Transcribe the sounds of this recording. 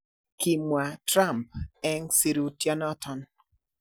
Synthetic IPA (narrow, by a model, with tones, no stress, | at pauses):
ki˨mwa˨tɾa˦˨mp̚ɛ˦ŋsi˦˨ɾu˨tja˦nɔ˦tɔ˨n